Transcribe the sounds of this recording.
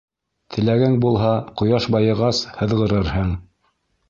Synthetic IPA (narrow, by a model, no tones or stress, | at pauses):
t̪ʰɘ̆læɡæŋbulˠɦɑqŏjɑʃbɑjɤ̆ʁɑshɤ̆ðʁɤ̆ɾɤɾhɤɴ